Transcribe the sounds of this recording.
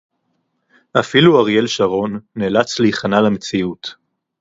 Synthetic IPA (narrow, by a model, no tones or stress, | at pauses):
ʔafiluaʁje̞lʃaʁo̞nːeːlat͡sliiχanalamet͡siut